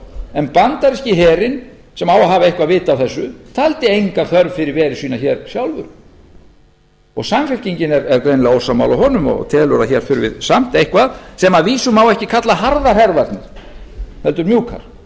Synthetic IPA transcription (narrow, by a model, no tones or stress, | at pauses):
ɛnpant̪aɾɛhcɪɦɛːɾɪn | sɛmawaɦaːvaejhkvaðvɪːt̪aːwθɛsːʏt̪ʰalt̪ɪejŋkaθœɾvfɪɾɪɾvɛːɾɪɾ̥siːnaçɛːɾ̥sjawlvʏɾ̥ | ɔ̰ɣsamfɪfciɲcɪnɛɾɛɾkɾejnlɛɣowsawma̰wlawɦɔnʏmɔ̰t̪ʰɛːðlʏɾaçɛɾ̥fʏɾʏvɪ̰ðsam̥t̪ejhkvaðsɛmaðviːsʏmawɛhcɪkʰat̪laɦaɾðaɾ̥hɛɾvaɾt̪nɪɾ̥hɛlt̪ʏɾmjuːkʰa̰ɾ̥